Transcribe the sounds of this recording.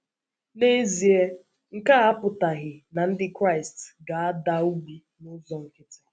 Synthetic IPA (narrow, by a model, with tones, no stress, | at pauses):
ne˦zi˨e˦ | ŋ̩˦˨ka˦a˦pʊ˨ta˨ɣɪ˨na˨n̩˦dɪ˦kɾa˦˨ɪ˨stɡa˨a˦da˦u˦ɡ͡bi˦ | nʊ˦zɔ˨ŋ̩˨kɪ˦tɪ̥˦